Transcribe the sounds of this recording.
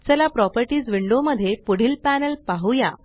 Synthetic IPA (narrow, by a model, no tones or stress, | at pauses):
t͡səlapɾɔpəɾʈiːd͡zʋiɳɖoməd̪ʱːjepuɽ̤iːlpænəlpaɦuja